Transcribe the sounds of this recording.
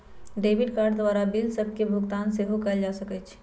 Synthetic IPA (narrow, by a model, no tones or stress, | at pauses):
ɖeːbɪɖkaːɾɖd̪ʋaːɾabilsəb̚kebʱʊɡt̪aːnseɦokald͡ʒaːsəkɛt͡ʃʰ